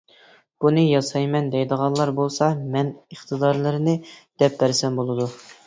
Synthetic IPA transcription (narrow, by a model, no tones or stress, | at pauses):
b̥unɨjɑsɑjmɛnd̪ɛjd̪əʁɑnlˠɑɾbolˠsɑmɛnəχt̪ʰɨd̪ɑɾlˠɨɾɨnɨd̪̥ɛp̚bæɾsɛmbolˠɨd̪u